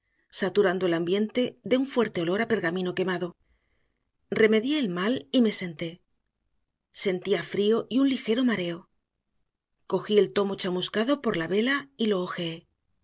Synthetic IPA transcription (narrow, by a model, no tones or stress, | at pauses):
sat̪uɾand̪oelambje̞nt̪e̞ðe̞uɱfwe̞ɾt̪e̞o̞lo̞ɾape̞ɾɣamĩno̞ke̞maðo̞ | re̞me̞ðjeelmalime̞se̞nt̪e̞ | se̞nt̪iafɾio̞ʔiunlixe̞ɾo̞maɾe̞o̞ | ko̞xie̞lt̪o̞mo̞t͡ʃamuskaðo̞po̞ɾlaβe̞lailo̞ːxee